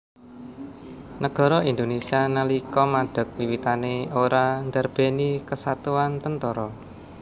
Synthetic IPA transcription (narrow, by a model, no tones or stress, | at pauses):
nəɡ̥ɔ̤ɾɔind̪onesianalikɔmaɖ̪̥ə̤k̚wiwit̪aneoɾaŋd̪ərb̥e̤nikəsat̪uant̪ənt̪ɔɾɔ